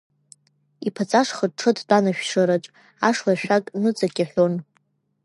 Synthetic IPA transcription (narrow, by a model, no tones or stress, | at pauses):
ipʰat͡sʼaʂχəʈ͡ʂʰɨdt͡pʼanaʃᶣʂɨɾat͡ʃʷʼ | aʂlaʃᶣakʼnɨt͡sʼaɡʲʼaħʷᶣon